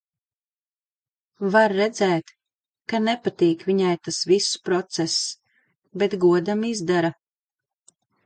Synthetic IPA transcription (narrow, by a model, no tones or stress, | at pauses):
vaɾːɛd̪zɛːt̪ | kanɛpat̪iːkvʲiɲajt̪asvispɾɔt̪sɛs | bet̪ɡuɔd̪amizd̪aɾa